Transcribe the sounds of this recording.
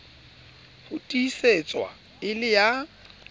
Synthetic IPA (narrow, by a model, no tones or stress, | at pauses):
hʊtʼiːset͡sʼwa̰ | ɪlɪja